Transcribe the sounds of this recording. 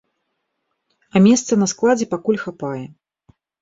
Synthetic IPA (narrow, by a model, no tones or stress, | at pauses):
ɐmʲɛst̪sɐnɐsklˠad͡zʲɛpakulʲxapajɛ